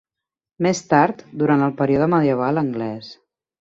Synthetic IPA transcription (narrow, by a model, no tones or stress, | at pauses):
mest̪aɾt̪d̪uɾant̪əlˠpəɾiuðəməðiəβ̞aləŋɡlɛs